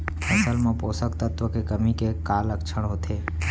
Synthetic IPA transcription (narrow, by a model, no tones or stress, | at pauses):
ɐsəlmãpoːsəkt̪ət̪ʋəkekəmikekaːləkt͡ʃʰəɽ̃ɦoːt̪ʰeː